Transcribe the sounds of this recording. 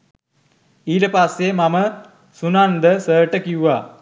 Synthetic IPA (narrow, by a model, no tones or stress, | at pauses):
iːləpasːemamə | sunand̪əsəːʈəkiuʋa